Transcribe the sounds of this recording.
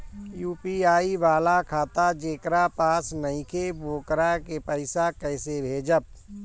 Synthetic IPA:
juːpiaːibaːlakʰaːt̪ad͡ʒeːkɾapaːsnəɪ̃kʰeboːkɾakepəɪsakəɪsebʱeːd͡ʒəp̚

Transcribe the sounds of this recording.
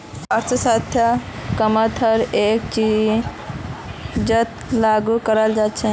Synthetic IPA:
əɾt̪ʰəsat̪ʰjəkəmət̪ʰəɾek̚t͡ʃi | d͡ʒət̪laɡukəɾəld͡ʒaːt̪t͡ʃʰɛ

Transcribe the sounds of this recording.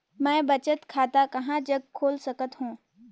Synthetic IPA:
mɛ̃ːbɐt͡ʃət̪kʰaːt̪akɐɦãd͡ʒɐɡ̚kʰːoːlsɐkət̪ɦũː

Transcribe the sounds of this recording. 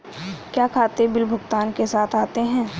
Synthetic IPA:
kjaːkʰaːt̪ebɪlbʱʊɡt̪aːnkesaːt̪ʰaːt̪eɦɛ̃ː

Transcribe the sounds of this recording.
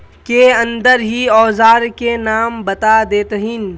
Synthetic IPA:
keɐ̃nd̪əɾɦiɔːzaːɾkenaːmbɐt̪ad̪eːt̪ɦɪn

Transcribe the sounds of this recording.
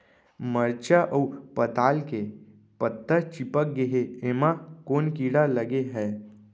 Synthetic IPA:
məɾt͡ʃaʔəupət̪aːlke | pət̪ːət͡ʃɪpək̚ɡeɦeeːmakoːnkiːɽaləɡeɦɛː

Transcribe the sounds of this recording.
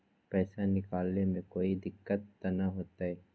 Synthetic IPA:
pɛːsanɪkaːlnemẽkoːid̪ɪkːət̪ːɐnaɦoːt̪aɦɛː

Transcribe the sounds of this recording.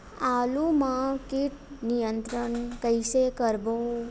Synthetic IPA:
alũmãkiʈnijənt̪ɾəɳkəjʃekəɾbõ

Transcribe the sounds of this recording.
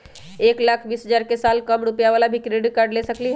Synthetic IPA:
eklakʰbiːsɦəd͡ʒaɾkesalkəmɽupjaʋalabʱikɾeɖkaɾɖlesəkliɦ

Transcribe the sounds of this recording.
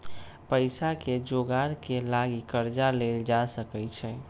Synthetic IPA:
pəɪsaked͡ʒoɡaɾkelaɡikəɾd͡ʒaleld͡ʒasəkɛt͡ʃʰɛ

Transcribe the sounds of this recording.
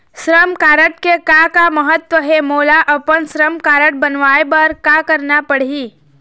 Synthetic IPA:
sɾəmkaːɾəʈ̚kekakaməɦət̪ʋəɦemoːlaʔəpəɳsɾəmkaːɾəʈ̚bənʋaebəɾkakəɾnapəɽ̤iː

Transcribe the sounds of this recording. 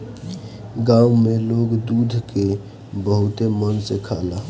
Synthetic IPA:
ɡãumeloɡd̪ud̪ʱke | bəɦut̪emənsekʰala

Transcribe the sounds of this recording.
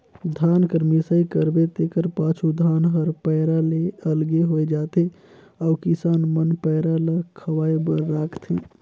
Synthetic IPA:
d̪ʱaːnkəɾmisəikəɾbet̪ekəɾpat͡ʃʰud̪ʱaːnɦəɾpəɪɾaleəlɡeɦojd͡ʒaːt̪e | ɔʊkisaːnmənpəɪɾaləkʰəʋaːjbəɾːakʰt̪ʰi

